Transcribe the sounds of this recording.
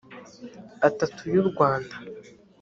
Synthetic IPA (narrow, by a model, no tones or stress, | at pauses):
atatʰujuɾɡwaːnda